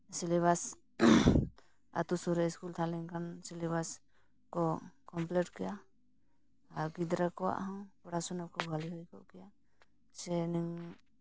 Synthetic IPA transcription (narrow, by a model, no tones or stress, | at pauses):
silɛβas | a̰t̪usuɾɛskult̪ʰalɛŋkʰansilɛbas | kɔkɔmplɛʈkɛja | aɡid̪ɾakɔwa̰ʔhawpɔɽasɔnap̚kɔbɡʱaliɦɔjkɔ̰ʔkɛja | sɛnɛŋ